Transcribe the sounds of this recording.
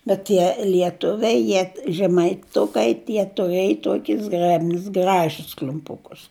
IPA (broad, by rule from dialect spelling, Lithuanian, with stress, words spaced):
bʲɛt ˈtʲiɛ lʲiɛˈtʊʋʲɛɪ ˈjiɛ ʒʲɛmɐɪˈtʊkɐɪ ˈtʲiɛ tʊˈrʲeːj ˈtoːkʲɪs ˈzɡrʲæːbʲnʲɪs ˈɡrɑːʒʲɪs klʲʊmˈpʊkʊs